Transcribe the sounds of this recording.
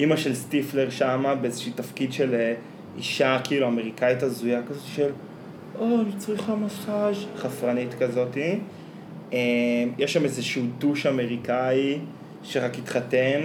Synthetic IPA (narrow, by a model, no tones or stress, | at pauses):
ʔimaʃe̞lstifle̞ʁʃamabeezeʃiːtafkidʃe̞le | iʃakiiːluame̞ʁikaitazujakazo̞t̪i̥ʃel | ʔonit͡sʁiχamasχaʃχafʁanitkazo̞ti | emjeʃːamezeʃuːtuʃame̞ʁikai | ʃeʁakit̪χaten